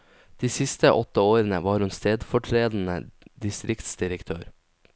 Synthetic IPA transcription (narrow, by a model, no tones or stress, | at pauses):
d̪̥iːsɪst̪əʔɔt̪əoːɾənəʋɑːɾʉnst̪eːd̪fɔʈʰɾeːd̪n̩ə̰d̪ɪst̪ɾʔɪkt̪sd̪ɪɾəkt̪ʰøːɾ